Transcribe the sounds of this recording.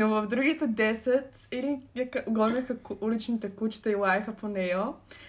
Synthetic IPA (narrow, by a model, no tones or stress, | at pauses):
novəvd̪ɾuɡit̪ɛd̪ɛsɛt̪ɛliɐkʔoɡɔnʲəxəulit͡ʃnit̪ɛkut͡ʃi̥t̪ɐilˠajɛxəponɛjo